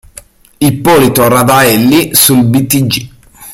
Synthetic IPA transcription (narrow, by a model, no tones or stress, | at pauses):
ipːɔlit̪orad̪aɛlːisulbit̪id͡ʒi